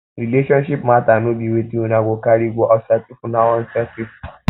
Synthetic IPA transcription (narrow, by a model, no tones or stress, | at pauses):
ɾileʃɔ̃nʃipmãtanõdiwetiunaɡʷokaɾiɡʷɔʔɔsatifunawɔ̃n̩sɛsif